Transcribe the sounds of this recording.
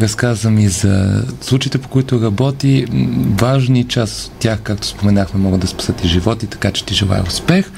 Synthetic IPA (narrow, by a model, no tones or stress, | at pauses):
ɾɐskazəmizɐ̰slˠut͡ʃiːt̪ɛpo̥koit̪ʊɾɐbɔt̪ivaʒnit͡ʃaso̥t̪ːʲjaxkak̚t̪o̥spomɛnaxmɛmɔɡəd̪ɐspɐ̥sɛt̪iʒivɔt̪it̪ɐ̥kat͡ʃɛ̥t̪iʒɛlˠa̰j̰ʊspɛx